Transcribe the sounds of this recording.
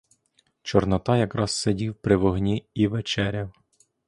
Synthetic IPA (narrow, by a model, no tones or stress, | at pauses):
t͡ʃɔrnɐt̪ɑjɐkɾɑz̥sedʲiwpɾɪʋɔɦnʲiiʋet͡ʃɛɾʲɐw